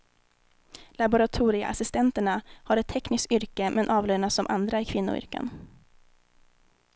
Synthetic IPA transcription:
labʊɾat̪ʰuːɾɪa̰ʔa̰sɪst̪ɛnt̪əɳahaɾɛt̪ʰːɛknɪsk̪ʏɾkəmʔɛnʔɑːvløːɳasːɔmʔa̰nd̪ɾaɪkʰvɪnːʊ̰ʏ̰ɾkə̰n

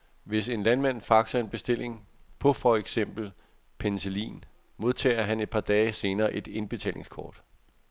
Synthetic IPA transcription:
ʋe̝se̝nlænmæn̰fɑ̈ɡ̥sɐe̝nb̥e̝sd̥e̝l̰e̝ŋpʰɒ̽fɒeɡ̥sem̰b̥l̩ | pʰenselḭːn | mo̝ð̞ˠt͡sʰɛ̰ːɐɦæne̝d̥̚pʰɑ̈d̥ɛːɪse̝ːnɐːʔe̝d̥e̝nb̥e̝t͡sʰɛ̰ːle̝ŋskʰɒ̰ːd̥

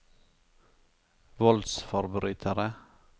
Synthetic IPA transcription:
ʋɔld̪sfɔɾbʏɾyːt̪ʰəɾə

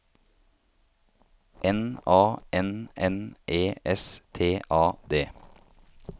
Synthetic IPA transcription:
ʔɛnɑːʔɛnɛnʔeːʔɛst̪ʰeːʔɑːd̪eː

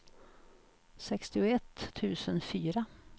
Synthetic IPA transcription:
sɛkst̪ɪʊɛt̪ʰːʉ̟ːsənfyːɾa

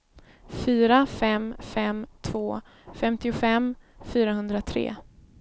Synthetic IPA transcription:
fyːɾafɛmfɛmt̪ʰvoː | fɛmt̪ɪʊfɛmfyːɾaɦɵnd̪ɾat̪ʰɾḛː

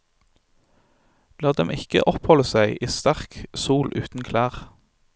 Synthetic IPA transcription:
lɑːd̪ɛmɪkə̰ʔɔphɔləsæɪʔiːst̪æʁksuːlʔʉːt̪n̩kʰlæːʁ

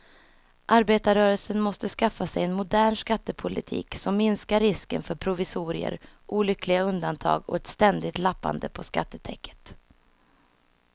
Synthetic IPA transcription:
ʔaɾbeːt̪aɾœːɾəlsənmɔst̪əskafːasɛjɛnmʊd̪æːɳʂkat̪ːəpʰʊlɪ̰t̪ʰḭːksɔmːɪnskaɾːɪskə̰nfœɾpʰɾʊvɪsuːɾɪə̰ɾ | ʔuːlʏkʰlɪɡaɵnd̪ant̪ʰɑ̰ːɡɔ̰ɛt̪st̪ɛnd̪ɪt̪lapːa̰nd̪əpʰɔska̰t̪ːət̪ʰɛ̰kːə̥t̪

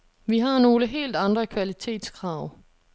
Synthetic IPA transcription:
ʋiɦɑ̈no̝ːləɦe̝̰ːld̥ɑ̈nd̥ʁɐkʰʋælit͡sʰe̝̰ːd̥skʰʁɑ̈ʊ̰

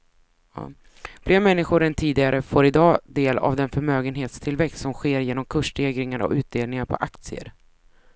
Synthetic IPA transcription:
b̥lɪːɾmɛnːɪɧʊɾɛnt̪ʰiːd̪ɪɡaɾəfoːɾɪd̪ɑːd̪eːla̰vd̪ɛnfœɾmøːɡənɦeːt̪st̪ʰɪlvɛkst̪sɔmɧeːɾjeːnɔmkʰɵʂɖeːɡɾɪŋaɾɔ̰ʔʉ̟ːt̪̚d̪eːlnɪŋaɾpʰɔ̰ʔak̚t̪sɪə̰ɾ

